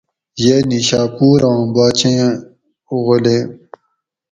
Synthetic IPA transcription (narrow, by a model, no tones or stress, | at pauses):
jeniɕaːpuːɾãːbaːt͡ɕẽ | uɣolẽ